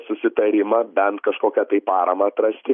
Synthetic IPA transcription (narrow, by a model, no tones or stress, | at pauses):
sʊsʲɪt̪ɐɾʲɪmɐbʲɛnt̪kɐʃkoːkʲɛt̪ɐɪpɑːɾɐmɐɐt̪ɾɐsʲt̪ʲɪ